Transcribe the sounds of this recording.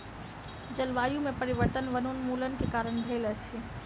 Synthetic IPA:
d͡ʒəlʋajumepəɾiʋəɾt̪ənʋənonmulənkekaɾəɳd̪ʱelɛt͡ʃʰi

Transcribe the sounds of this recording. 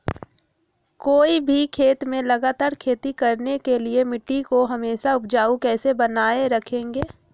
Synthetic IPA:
koːibʱikʰeːt̪mẽlɐɡaːt̪aːɾkʰeːt̪ikɐɾnekeliemɪʈːikoɦɐmeːʃaʊp̚d͡ʒaːukɛːsebɐnaːeɾɐkʰẽːŋɡeː

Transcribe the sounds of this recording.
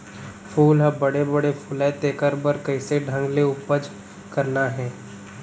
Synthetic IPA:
fʰuːlɦɐbɐɽebɐɽefulɛt̪eːkəɾbəɾkɐɪseɖʱɐ̃ŋɡleʊpəd͡ʒ | kɐɾnaɦɛː

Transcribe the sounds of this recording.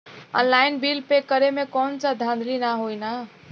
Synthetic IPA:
ə̰̃nlainbilpekːəɾemekɔnt͡ʃad̪ʱãnd̪ɾinaɦojna

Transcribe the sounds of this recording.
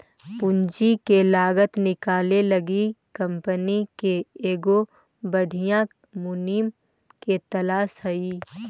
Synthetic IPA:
pʊɲd͡ʒikelaːɡət̪nɪkaːlelɐɡikɐ̃mpənikeeːɡo | bɐɽʱijã | mʊniːm | ket̪ɐlaːsɦɐiː

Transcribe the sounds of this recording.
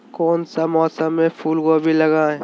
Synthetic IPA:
koːnsamɔːsəmːẽpʰuːlɡobʱilɐɡaːẽ

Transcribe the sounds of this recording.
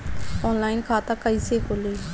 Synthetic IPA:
ɔːnlaːinkʰaːt̪aːkəiːseːkʰoːleː

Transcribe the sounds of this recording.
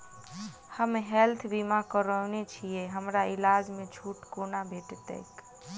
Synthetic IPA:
həmɦɛlt̪ʰbimakəɾənet͡ʃʰieɦəmɾailad͡ʒmẽd͡ʒʱʰuːʈkonabʱeʈt̪ɛ̰k

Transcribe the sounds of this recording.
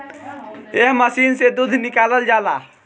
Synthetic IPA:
eɦməsiːnsed̪ud̪ʱnɪkaːləld͡ʒaːlaː

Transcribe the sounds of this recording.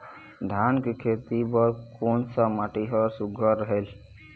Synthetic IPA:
d̪ʱankekʰet̪ipɔɾkonsəmaʈiɦɔɾsuɡʱɔɾəɦel

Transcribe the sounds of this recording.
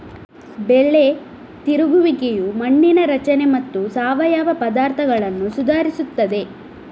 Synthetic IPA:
beɭːe | t̪iɾuɡuʋikejumɐɳːinɐɾɐt͡ʃɐne̞mɐt̪ːusaːʋɐjaːʋɐpɐd̪aːɾt̪ʰɐɡɐɭɐnːusud̪ʱaːɾisut̪ːɐd̪e̞

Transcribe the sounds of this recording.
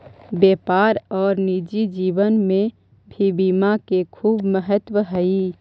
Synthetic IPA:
beːpaːɾɔːɾnid͡ʒid͡ʒiːʋənmẽ | bʱibiːmakekʰuːbməɦət̪wəɦəi

